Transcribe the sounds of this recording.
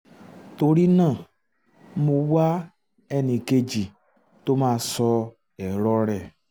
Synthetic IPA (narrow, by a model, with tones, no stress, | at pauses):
to˧ɾi˦nãː˦˨ | mo˧wa˦ | ɛ˦˨nĩ˧ke˧d͡ʒi˨ | to˦mãː˦sɔ˧ | ɛ˨ɾɔ˦ɾɛ˦˨